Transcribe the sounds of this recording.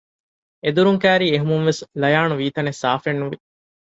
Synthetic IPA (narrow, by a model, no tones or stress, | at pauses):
ed̪uɾuŋkæːɾiːeɦumuŋʋeslɐjaːnuʋiːt̪ɐnesaːfenːuʋi